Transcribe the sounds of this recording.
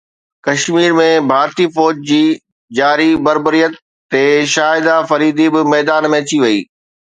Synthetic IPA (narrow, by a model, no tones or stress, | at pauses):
kɐʃmiːɾmẽbʱaːɾt̪ifɔːd͡ʑd͡ʑiː | d͡ʑaːɾibɐɾbəɾijət̪ː | eʃaːɦɪd̪afɐɾiːd̪ʱibɪmɛːd̪aːnmẽt̪ʰiʋɐḭː